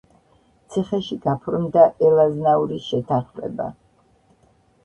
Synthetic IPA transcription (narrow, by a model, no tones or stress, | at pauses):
t̪sʰiχɛʃiɡapʰɾmd̪aʔɛlaznauɾiʃɛt̪ʰaχmɛ̰ba̰